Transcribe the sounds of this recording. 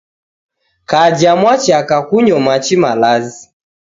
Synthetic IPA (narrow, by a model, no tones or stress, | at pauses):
kad͡ʒamwat͡ʃakakuɲɔmat͡ʃimalazi